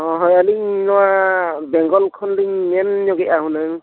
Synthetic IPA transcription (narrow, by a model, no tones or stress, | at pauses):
ɔɦɔjaliɲnɔwabɛŋɡɔlkʰɔnliŋmɛnɲɔɡɛaɦũnaŋ